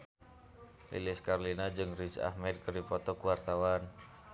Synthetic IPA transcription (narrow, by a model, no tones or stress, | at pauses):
lḭliskarlinad͡ʒɨŋrisa̰hmɛd̪̚kərdipɔt̪ɔkuwart̪awan